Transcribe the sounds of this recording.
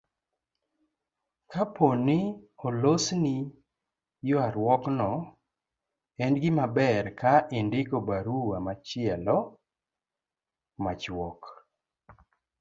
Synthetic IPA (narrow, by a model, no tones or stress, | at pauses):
kapʰonɪolosni | joaɾwɔknɔ | ɛndɡɪmabɛɾkaʔɪndɪkobaɾuwamat͡ʃɪɛlɔ | mat͡ʃwɔk